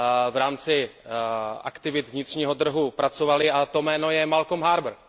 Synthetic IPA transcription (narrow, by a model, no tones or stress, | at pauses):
vɾaːmt͡sɪ | ʔa̰kt̪ɪvɪt̪vɲɪt̪r̝̥ɲiːɦo̞t̪r̩ɦupɾat͡sovalɪat̪o̞mɛːno̞jɛmalkomɦaːɾbɾ